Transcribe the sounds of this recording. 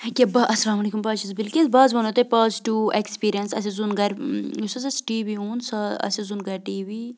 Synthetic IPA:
kʲebɐʔɐsɐlaːmɐleːkumbaːʃizbilkizbaːzʋɐnɐt̪epaːsʈuekspiːɾiɐnsɐ̰sezunɡɐɾʲusɐsɐsʈiːʋiuːnsɐɐ̰sezunɡɐɾʈiːʋiː

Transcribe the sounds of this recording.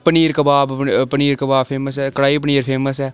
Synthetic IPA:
pəniːɾkəbaːbpəniːɾkəbaːbpʰeːməs̬ɛːkəɽaːip̬əniːɾpʰeːməsɛː

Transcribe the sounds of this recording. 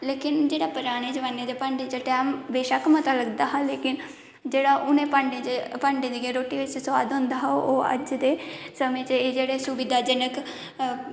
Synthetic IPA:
leːkɪnd͡ʒeːɽaːpəɾaːɽ̃eːd͡ʒəʋaːnːeːd̪eːpəɳɖet͡ʃaʈɛːmbeːʃaːkmət̪aːləɡd̪aːɦaleːkɪn | d͡ʒeːɽaːʔʊnẽːpəɳɖepəɳɖeːd̪iɡeːɾoːʈːiːʋɪt͡ʃsʊʋaːd̪ɦʊ̃nd̪aːɦaoːə̰d͡ʒd̪eːsəmẽːt͡ʃeːd͡ʒeːɽeːsʊbɪd̪aːd͡ʒɪnək

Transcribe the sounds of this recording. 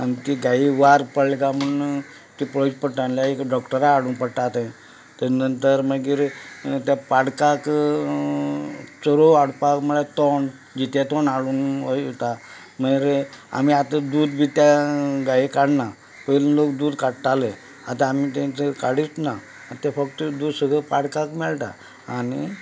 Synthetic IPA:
anit̪iɡaiʋaɾpəɽlkaməɳ | t̪ipɾəd͡ʑpəɽʈãnljaekɖɔkʈəɾaaɽuːnpəɽʈat̪ẽ | t̪ənənt̪əɾməɡiːɾt̪japaɽkak | t͡səɾoaɽpakməɭat̪ɔɳ | d͡ʑit̪jat̪ɔnaɭuːnəjt̪a | məɡiɾa̰miat̪əd̪uːd̪bʱit̪jaɡajikaɽna | pəllokd̪uːd̪kaɽʈ̪ale | at̪aamit̪ɛ̃t͡səkaɽist̪na | t̪afəkt̪əd̪uːd̪səɡʱɭəpaɽkakmɛɭʈa̰ | anḭ

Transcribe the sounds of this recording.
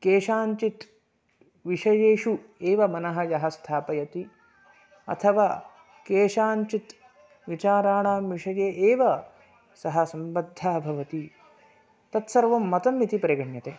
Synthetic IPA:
keːʃaːɲt͡ʃit̪ | ʋiʂɐjeːʃueːʋɐmɐnɐɦɐjɐɦɐst̪ʰaːpɐjɐt̪i | ɐ̰t̪ʰɐʋaː | keːʃaːɲt͡ʃit̪ | ʋit͡ʃaːɾaːɳaːmʋiʂɐjeːʔeːʋɐ | sɐɦɐ̆sɐmbɐd̪ʱːjaːbʱɐʋɐt̪i | t̪ɐt̪sɐɾʋɐmːɐt̪ɐmːit̪ipɐɾɐɡɐɳjɐt̪eː

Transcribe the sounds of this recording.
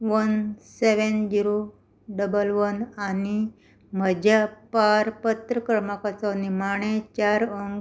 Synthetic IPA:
ʋənseʋend͡ʑiɾo | ɖəbəlʋənani | məd͡ʑapaɾpət̪ɾəkəɾmakat͡sanimaɳ̃et͡ɕaɾəŋɡ

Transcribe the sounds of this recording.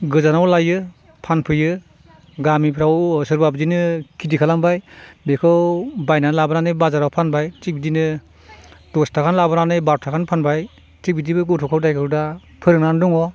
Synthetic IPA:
ɡɯzanawlajɯ | pʰanpʰɯjɯ | ɡamipʰɾawsɯɾbab̚zinɯkʰidikʰalambajbekʰɯwbajnanlabɯnanɯjbazaɾawpʰanbajt͡ʃik̚bidinɯ | dɔstʰakʰanlabɯnanɯjbaɾɔtʰakʰanpʰanbaj | t͡ʃik̚bidibɯɡɯtʰɔkʰawdajkʰɯɾda | pʰɯɾɯŋnandɔŋɔ

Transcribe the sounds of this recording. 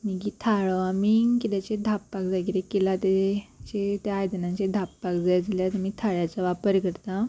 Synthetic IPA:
mikiːt̪ʰaɭəamikit̪at͡ɕed̪ʱapːakd͡zaɡiɾekelat̪at͡ɕet̪jaːjd̪ənãt͡ɕed̪ʱapːakd͡zajd͡ziljat̪umiːt̪ʰaɭjat͡saʋapəɾkəɾt̪a

